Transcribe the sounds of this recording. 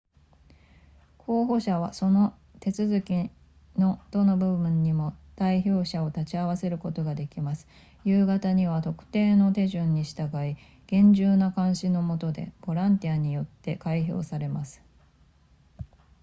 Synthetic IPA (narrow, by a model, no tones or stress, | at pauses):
kʰo̞ːɦo̞ɕaβaso̞no̞ | t̪e̞t͡sɨzɨkʲi | no̞d̪̥o̞no̞bɯ̟ɯ̟̃ɲ̟ːimo̞d̪̥aiço̞ːɕao̞t̪at͡ɕiaβ̞ase̞ɾɯ̟ko̞t̪o̞ɡad̪e̞kʲimasɨ̥ | jɯːɡat̪aɲ̟iβ̞at̪o̞kɯ̟̥t̪e̞ːno̞t̪e̞ʑɨ̃ɲ̟ːiɕi̥t̪aɡai | ɡ̥ẽ̞ɲ̟d͡ʑɨːnakãɰ̃ɕino̞mo̞t̪o̞d̪e̞̰b̥o̞ɾãnt̪ʲiaɲ̟ijo̞t̪ːe̞kaiço̞̰ːsaɾe̞masɨ̥